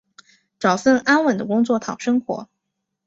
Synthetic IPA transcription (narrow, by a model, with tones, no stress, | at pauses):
ʈ͡ʂɑ˨˩ʊsə˥˩ŋa˥nwə˨˩nd̪ə˦kʊ˥ŋt͡swɔ˥˩t̪ʰɑ˨˩ʊʂɤ˥ŋxwɔ̰˧˥